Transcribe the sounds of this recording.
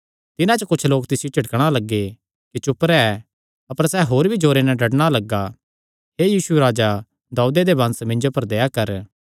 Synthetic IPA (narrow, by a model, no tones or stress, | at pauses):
t̪ɪnãt͡ʃəkʊt͡ʃʰloːkt̪ɪsjot͡ʃʰɐʈkɽ̃alɐɡːe | kit͡ʃʊpɾɛɛː | ɐpəɾsɛɦoːɾbʱid͡ʒoːɾenɛɖɐɽɽ̃alɐɡːa | ɦeːjiːsueɾaːd͡ʒa | d̪aːud̪ed̪ebɐ̃nsmɪ̃ɲd͡ʒopɐɾd̪eːjakɐɾ